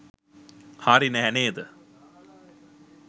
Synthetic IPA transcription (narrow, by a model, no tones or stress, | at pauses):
haːɾinəɦæneːd̪ə